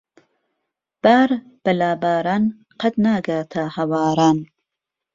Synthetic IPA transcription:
b̥aːɾ | b̥ɐlaːbaːɾaːn | qʰɐt̪naːɡaːt̪ʰahɐwaːɾaːn

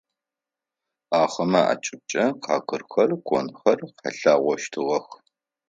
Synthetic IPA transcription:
aːχɐmɐa̰ːt͡ʃʼɪb̚t͡ʃʼɐqʰɑːkʰɨrxɐrkʷʰʼɔnxɐrqɑ̰ɬaːʁʷɔʃtʰɨʁɐx

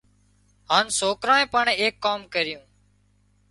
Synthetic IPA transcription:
ɦaːnsoːkɾaːẽːpaɳẽːeːkːaːmkəɾɪjũː

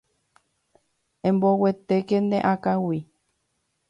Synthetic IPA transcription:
ẽmbowet̪ekend̪ḛ̃ʔakawi

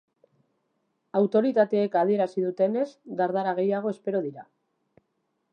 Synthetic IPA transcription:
awt̪o̞ɾit̪at̪e̞ːkaðie̞ɾasiðut̪e̞ne̞zɡaɾðaɾaɣ̞e̞jaɣ̞o̞e̞spe̞ɾo̞ðiɾa

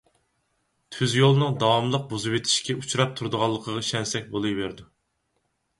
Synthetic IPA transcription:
t̪ʰyzjolˠnɨŋd̪ɑwɑmlˠəq̚bozɨwet̪ʰi̥ʃkʲɛut͡ʃʰuɾɑp̚t̪ʰuɾd̪əʁɑlˠːəqʰəʁɑʃɛnsɛk̚ʲbolˠɨjbeɾd̪u

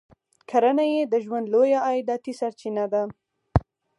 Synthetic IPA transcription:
kʰaɾanajed̪əʒwand̪lojaːjɪd̪ɑt̪isaɾt͡ʃinad̪a

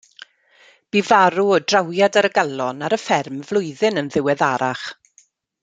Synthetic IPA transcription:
b̥ivaɾuɔdrawjadaɾəɡalˠɔnaɾəfɛrmvlˠʊɨðɨnənðɪwɛðaɾaχ

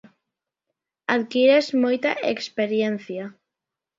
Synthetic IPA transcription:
aðkiɾezmojt̪aʔekspeɾjenθja

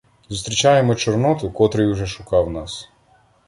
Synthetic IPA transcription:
zɔst̪ɾit͡ʃajɛmɔt͡ʃɔɾnɔt̪ukɔt̪ɾɛjuʒɛʃukawnas

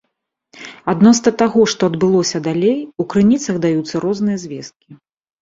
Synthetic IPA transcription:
ad̪nɔsnɐt̪aɣɔʂt̪ɔɐd̪bɨlˠɔsʲɐd̪alʲejukɾɨnʲit̪sɐɣd̪ajut̪sːɐɾɔznɨjɐzʲvʲɛst̪̚kʲi

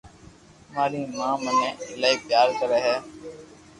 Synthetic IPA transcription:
maːɾiːmãːmənẽːlaːiːpjaːɾt̪əɾəɦɛː

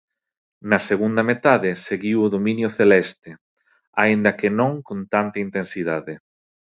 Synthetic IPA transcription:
nɐseɣund̪ɐmet̪aðɪseɣiwʊðomĩnjʊθelɛst̪ɪ | aind̪ɐkɪnõŋkont̪ant̪ɐint̪ensiðaðɪ

